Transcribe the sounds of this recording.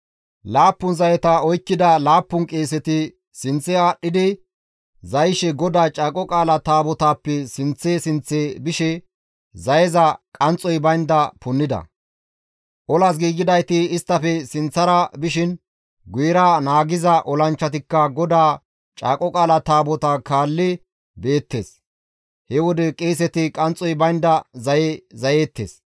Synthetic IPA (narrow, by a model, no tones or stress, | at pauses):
laːpːʊnzɐjɛt̪ɐɔjkːɪd̪ɐlaːpːʊnkʼe̞ːs̬ɛt̪ɪ | sɪnt͡sːɛaːɗːɪd̪ɪ | zɐjʃɛɡɔd̪aːt͡ʃʼaːkʼɔkʼaːlɐt̪aːbɔt̪aːpːɛsɪnt͡sːeːsɪnt͡sːeːbɪʃɛ | zɐjɛzɐkʼɐnt͡sʼːɔjbɐjnd̪ɐpʊnːɪd̪ɐ̰ | ʔɔlas̬ɡiːɡɪd̪ɐjt̪ɪːst̪ːɐfɛsɪnt͡sːɐɾɐbɪʃɪn | ɡʊjɾaːnaːɡɪzɐʔɔlɐnt͡ʃːɐt̪̬ɪkːɐɡɔd̪aː | t͡ʃʼa̰ːkʼɔkʼaːlɐt̪aːbɔt̪aːkaːlːɪ | be̞ːt̪ːe̞̰ːs | hɛwɔd̪ɛkʼeːs̬ɛt̪ɪkʼɐnt͡sʼːɔjbɐjnd̪ɐzɐjezɐjeːt̪ːḛːs